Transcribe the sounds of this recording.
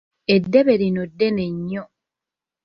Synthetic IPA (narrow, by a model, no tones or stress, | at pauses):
edːeβeɾinodːeneɲːo